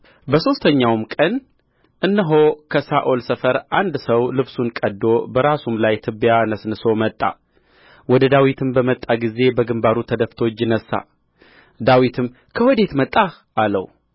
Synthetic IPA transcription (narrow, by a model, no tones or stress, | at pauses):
bəso̞st̪ʰəɲːawmkʼən | ʔɨnːəɦo̞kʰəsaʔo̞lsəfəɾʔand̪səwlɨβsunkʼəd̪ːo̞bəɾasumlajt̪ʰɨbjanəsnɨsomət̪ʼːa̰ | wɔd̪əd̪awit̪ʰɨmbəmət̪ʼːaɡize̞bəɡɨmbaɾut̪ʰəd̪əft̪ʰo̞t͡ʃːjɪnəsːa̰ | d̪awit̪ʰɨm | kʰəwɔd̪e̞t̪mət̪ʼːa | ʔalə̰w